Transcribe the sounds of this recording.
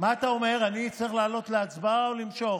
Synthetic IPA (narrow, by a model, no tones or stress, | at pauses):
maːt̪ao̞me̞ʁanit͡sʁiχlaːlo̞tleat͡sbaolimʃo̞χ